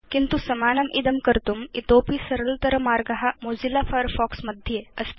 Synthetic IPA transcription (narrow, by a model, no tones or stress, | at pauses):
kint̪usɐmaːnɐmʔid̪ɐmkɐɾt̪umit̪oːpisɐɾɐlt̪ɐɾɐmaːɾɡɐɦamoːzilafʰɐɾfɔːksmɐd̪ʱeɐs